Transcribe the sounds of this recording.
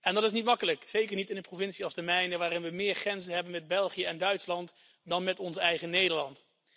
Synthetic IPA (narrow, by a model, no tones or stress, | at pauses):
ɛndɑtɪs̬nitmɑkələkzejkəɹnitɪndəprovɪnsiɑlˠstəmɛjnəʋaːɾɪnʋəmɪːɹχrɛnzənɦɛbənmɛd̚bɛlˠχijəɛndœɥtslɑnt | dɑnmɛtɔnsɛjχənejdəɹlɑnt